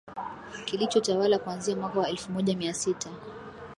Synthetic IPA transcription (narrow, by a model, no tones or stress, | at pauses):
kilit͡ʃɔtawalakuanziamwakawaɛlfumɔʄamiasitʰa